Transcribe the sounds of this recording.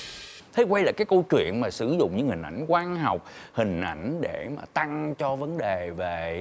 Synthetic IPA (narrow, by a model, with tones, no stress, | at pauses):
t̪ʰe˨˦jkwa˧jlaː˨˩kaː˨˦jkə˧wt͡ɕwḭ˧˨ənmaː˨˩sɨ˧˩˦zʊ̰˧˨ŋ͡mɲɨ̰˧˥ŋhï˨˩ŋ̟ʔa˧˩jŋ̟kwaː˧nɦɔ˨˩wk͡p̚hï˨˩ŋ̟ʔa˧˩jŋ̟ɗe˧˩ma̰ː˨˩t̪a˧ŋt͡ɕɔ˧və˨˦nɗe˨˩ve˨˩